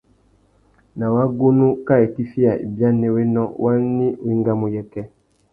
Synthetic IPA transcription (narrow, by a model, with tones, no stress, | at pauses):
na˨wa˦ɡo˦nu˦ka˦e˨ki˦fi˦a˨ḭ˨bja˦nɛ˦we˦nɔ˦wʔa˦ni˦wi˦ŋɡa˦mo˨jɛ˦kɛ˦